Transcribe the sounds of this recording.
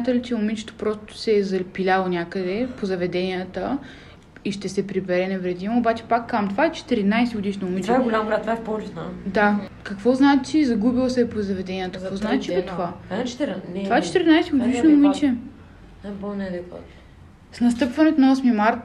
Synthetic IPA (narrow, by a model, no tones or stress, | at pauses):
mʲjat̪əlit͡ʃɛʊmit͡ʃɛ̥t̪o̥pɾost̪ʊ̥sɛːzɐlpilʲalˠonʲakəd̪ɛpozɐvɛd̪ɛnijət̪ə | iʃt̪ɛsɛpɾibɛɾɛnɛvɾɛd̪imoːbat͡ʃɛ̥pakːamt̪ovaɛt͡ʃɛ̥t̪ɛɾinajsiɡʊd̪iʃnɐʊmit͡ʃ̪vaɛɡʊlʲambɾat̪ːvaɛfpot͡ʃisna̰d̪akɐkvɔznaɛt͡ʃizɐɡubilˠsɛpozɐvɛd̪ɛnʲiət̪əkkvɔznaɛt͡ʃipɛt̪ovḁt̪vaɛt͡ʃɛ̥t̪iɾinajsiɡod̪iʃnoʊmit͡ʃɛ | ɛbonɛd̪ɛko̰t̪ | snɐst̪ɤpvɐnɛt̪onɐɔsmimaɾt̪